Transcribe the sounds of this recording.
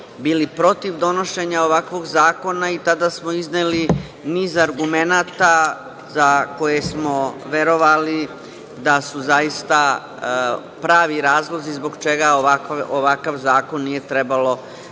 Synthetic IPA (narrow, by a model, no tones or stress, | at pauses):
biːlipɾo̞t̪iʋd̪o̞no̞ʃe̞ɲao̞ʋakʋo̞ɡzaːko̞nait̪ad̪asmo̞izneli | niːzaɾɡume̞naːt̪a | zako̞je̞smo̞ʋe̞ɾo̞ʋali | d̪asuzajist̪a | pɾaːʋiɾaːzlˠo̞zizbo̞ɡt͡ʃe̞ɡaoakoʋakaʋzaːko̞nːije̞t̪ɾe̞balo̞